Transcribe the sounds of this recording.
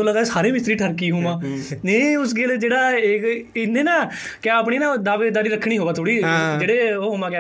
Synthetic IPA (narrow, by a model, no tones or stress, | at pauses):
õːləɡ̪aːsaːɾẽːmɪst̪ɾiːʈʰəɾkiːɦũːmãːnẽʊsɡɪld͡ʒeːɽaːekɪnːẽːnãː | kjaːəːp̬ɳiːnãːd̪aːʋeːd̪aːɾiːɾəkʰːɽiːɦoːɡaːt̪ʰoːɽiːd͡ʒeːɽeːoːɦoːmãːkaː